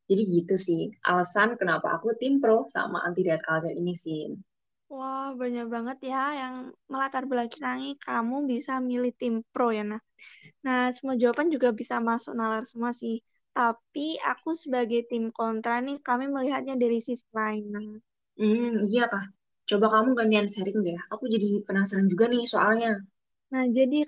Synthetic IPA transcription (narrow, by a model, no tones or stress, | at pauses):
d͡ʒadiɡit̪usɪhʔa̰ləsankənapa̰ːkut̪ɪmpɾosa̰ma̰ʔa̰nt̪idaat̪̚kald͡ʒaɾinisɪ | wahbaɲak̚baŋət̪̚jajaŋməlat̪arbəlakiɾaŋikamubisamilɪht̪ɪmpɾojanah | nahsəmuad͡ʒawapand͡ʒuɡabisamasʊ̰k̚nalarsəmuasɪh | t̪apia̰kusəbaɡajt̪ɪmkɔnt̪ɾanɪhkamiməliɦat̪̚ɲadaɾisɪslaɪnah | m̩ijakah | t͡ʃobakamuɡand̪iansəɾɪŋdaaakud͡ʒadipənasaɾand͡ʒuɡanɪhsoʔalɲa | nahd͡ʒadi